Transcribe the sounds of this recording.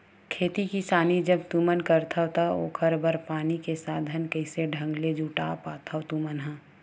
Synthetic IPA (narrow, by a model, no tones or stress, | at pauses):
kʰeːt̪ikisaːnid͡ʒəbt̪uːmənkəɾt̪ʰəwt̪ao̰ːkʰəɾbəɾpaːnikesaːd̪ʱənkəɪseɖʱə̃ŋɡled͡ʒuːʈaːpaːt̪ʰəwt̪uːmənɦɛ̃ː